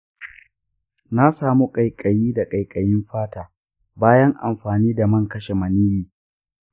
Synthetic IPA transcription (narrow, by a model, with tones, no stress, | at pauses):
na˦saː˨mu˦kʼɐ˨jkʼɐ˨jiː˦da˨kʼɐ˨jkʼɐ˨jɪ˦mɸaː˦taː˨ | baː˦jɐ˦ŋʔa˨mɸaː˨niː˦da˨mɐ˦˨ŋkɐ˦ʃe˨mɐ˨niː˦jiː˦